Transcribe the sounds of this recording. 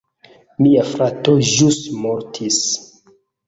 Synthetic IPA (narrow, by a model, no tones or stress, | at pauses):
miafɾatoʒusmoɾtʰis